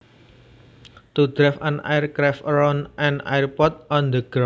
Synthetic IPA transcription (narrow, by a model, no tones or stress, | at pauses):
t̪ud̪̥ɾɛfanʔa̰jrkɾɛfɾɔnʔɛna̰jrpɔt̪̚ɔnd̪əɡ̥ɾa